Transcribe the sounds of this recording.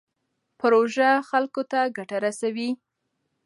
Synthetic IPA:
pɾoʒaxalkot̪aɡaʈaɾasawi

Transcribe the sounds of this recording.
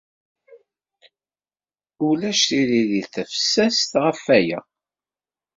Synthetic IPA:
ulæʃθililiθæfə̥sːæst̪ʁəfːæjæ̰

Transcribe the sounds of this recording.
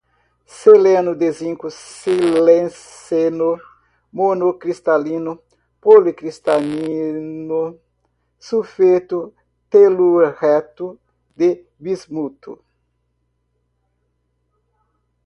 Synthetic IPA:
selẽnʊd̪ezĩŋkusilẽs | eno | monokɾist̪alĩnu | polikɾist̪aninu | sufet̪u | t̪eluhɛt̪u | d̪e | bizmut̪ṵ

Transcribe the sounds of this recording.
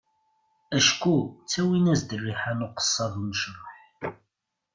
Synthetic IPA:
æʃkut͡sːæwinæzd̪ərːiħanʊqə̥sˤːɑðˤməʃɾˤɑħ

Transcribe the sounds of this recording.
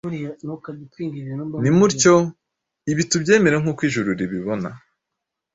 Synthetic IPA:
nokaditiːŋɡiɾnnimuɾco̞ | iβitubɟe̞ːme̞ɾeŋ̥huːkwiːʒuɾuɾiβiβo̞na̰

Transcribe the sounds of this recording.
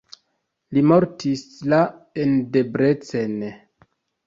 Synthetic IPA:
limo̞ɾtislaende̞bɾe̞t͡sen

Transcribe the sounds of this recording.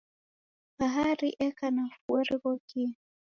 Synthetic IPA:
baɦaɾiʔɛkanafuɔɾiɣɔki

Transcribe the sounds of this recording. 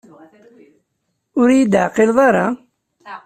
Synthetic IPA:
ʊɾjid̪ʕqɪlðˤɑɾˤɑ

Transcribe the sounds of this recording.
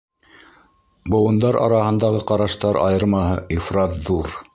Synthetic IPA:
bŏwɤ̆nd̪ɑɾʔɑ̰ɾɑhɤ̆nd̪ɑʁɤqɑɾɑʃt̪ɑɾɑ̰jɤ̆ɾmɑɦɤʔifrɑt̪ðuɾ

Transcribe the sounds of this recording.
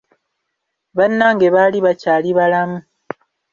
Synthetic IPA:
βanːaŋɡe̞βaliβacaːliβalamu

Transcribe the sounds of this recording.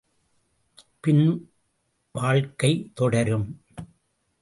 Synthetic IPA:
pɪn | ʋaːɻkɐɪt̪ɔɽɐɾɯm

